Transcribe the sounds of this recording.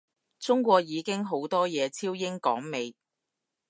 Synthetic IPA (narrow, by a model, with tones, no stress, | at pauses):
t͡sʊ˥ŋkʷɔː˧k̚jiː˨˧kɪ˥ŋɦo˨˥wt̪ɔː˥jɛː˨˧t͡sʰiː˥wjɪ˥ŋkɔ̰ː˨˥ŋme˨˧j